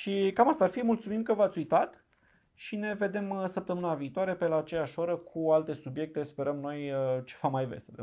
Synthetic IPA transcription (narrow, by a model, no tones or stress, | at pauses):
ʃikamast̪aːrfimult̪sumimkəvat̪sʲujt̪at̪ | ʃine̞ve̞d̪e̞msəp̚t̪əmɨnaviːt̪oaɾe̞pe̞laːt͡ʃe̞jaʃoɾəkʰualt̪e̞subje̞k̚t̪e̞spe̞ɾəmno̞jt͡ʃevamajvḛsəe